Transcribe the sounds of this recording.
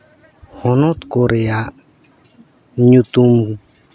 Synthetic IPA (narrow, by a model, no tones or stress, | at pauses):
hɔnɔt̪koɾeja | ɲut̪um